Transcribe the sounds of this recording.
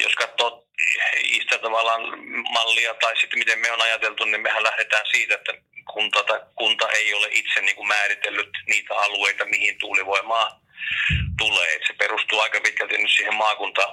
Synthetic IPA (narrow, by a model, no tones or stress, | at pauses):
jo̰skɑt̪ːoːt̪ | ḭsi̥t̪æt̪ɑʋɑlːˑɑːnmɑlːiɑt̪ɑˑisit̪ːmit̪emmeonɑjɑt̪elt̪unimmehællæhɾet̪æːnsiːt̪æet̪ːæ | kʰunt̪ot̪ɑkunt̪ɑʔeˑioleʔit̪senniːŋkummæːrit̪elːyt̪niːt̪æɑlueˑit̪ɑmihint̪uːliʋoimɑː | t̪ulḛːḛt̪seperust̪uːɑˑikɑpit̪kælt̪innyssiːhemmɑːkunt̪ɑː